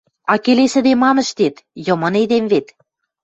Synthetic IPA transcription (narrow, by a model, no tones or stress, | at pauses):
ɑkelesɘ̆d̪emɑmə̆ʃt̪et̪jɤ̆mɤ̆ned̪emβet̪